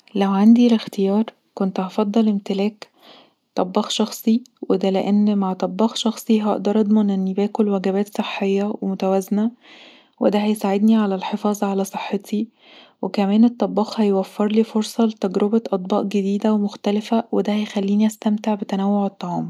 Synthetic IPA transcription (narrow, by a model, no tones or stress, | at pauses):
læwʕand̪ilext̪ejɑːɾˤ | kont̪hɑfɑd̪ˤːɑlʔemt̪elæːk | t̪ˤɑbːɑːxʃɑxsˤiwed̪æleʔenːmaʕt̪ˤɑbːɑːxʃɑxsˤiɦɑʔd̪ɑɾˤʔɑd̪ˤmɑnʔenːibæːkolwæɡæbæːt̪sˤeħːejːæwemot̪æwæzenæ | wed̪æɦæjsaʕed̪niʕalælħefɑːzˤɑʕalæsˤeħːet̪i | wekæmæːnet̪ˤːɑbːɑːxhæjwæfːeɾˤliːfoɾsˤɑlet̪æɡɾobæʔɑt̪ˤbɑ̰ːʔɡed̪iːd̪æwemoxt̪ælefæwed̪æhæjxælːiːniʔæst̪æmt̪eʕbet̪ænæwːoʕet̪ˤːɑʕɑːm